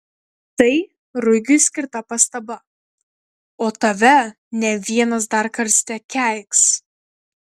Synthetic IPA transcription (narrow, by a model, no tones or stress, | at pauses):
t̪ɐɪ | ɾʊɡʲʊsʲkʲɪɾt̪ɐpɐst̪ɐbɐ | oːt̪ɐʋʲɛ | nʲɛʋʲiɛnɐs̬d̪ɐɾkɐɾsʲt̪ʲɛkʲæˑɪks